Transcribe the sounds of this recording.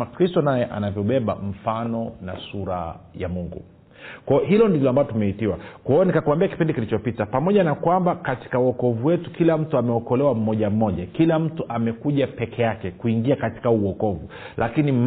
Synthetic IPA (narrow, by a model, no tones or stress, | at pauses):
akɾistɔnajɛʔa̰navjɔɓɛɓa̰m̩fanɔnasuɾa̰jamuŋɡṵ | kwaɔɦilɔndilɔambalɔtumɛitiwakwaɔnikakuwambiaki̥pindikilit͡ʃɔpitapamɔʄanakwambakati̥kauɔkɔvuwɛtukilam̩tuamɛɔkɔlɛwam̩mɔʄam̩mɔʄakilam̩tuʔamɛkuʄapɛkʰɛjakɛkuiŋɡiakati̥kauɔkɔvu | lʔakinim